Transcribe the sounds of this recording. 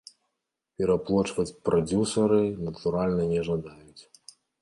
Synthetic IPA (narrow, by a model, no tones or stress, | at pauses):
pʲɛɾaplˠɔt͡ʂvɐt͡sʲpɾʔad͡zʲusɐɾɨnɐt̪uɾalʲnɐnʲɛʐɐd̪ajut͡sʲ